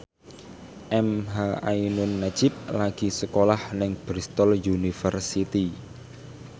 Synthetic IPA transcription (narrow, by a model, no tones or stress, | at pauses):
ʔɛmɦaainʊnːḁd͡ʒ̥ɪp̚laɡ̥isəkolahnɪŋb̥ɾist̪ɔljunifərsit̪i